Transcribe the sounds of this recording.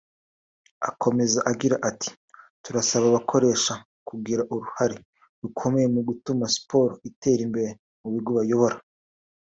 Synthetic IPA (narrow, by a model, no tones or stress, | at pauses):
a̰kʰo̞me̞zaʔaɡiɾaʔatʰi̥ | tuɾasaβaβakʰo̞ɾe̞ːʃa | kuɡiɾaʔuɾuhaɾe | ɾukʰo̞me̞jemuɡutumaspo̞ːɾoite̞ːɾimbe̞ɾe | muβiɾɡoβajo̞βo̞ɾa